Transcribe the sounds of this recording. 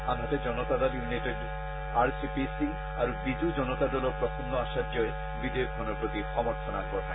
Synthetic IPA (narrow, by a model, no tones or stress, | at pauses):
amʱatɛd͡ʒɔnɔtadɔljunatet | aɹsipisi | aɹubizud͡ʒɔnɔtadɔlɔpɹɔtʰɔndɔasadjɔj | bidejk̚bʱɔnɔpɹoɡixɔmɔɹt̪ʰɔnakɔɹna̰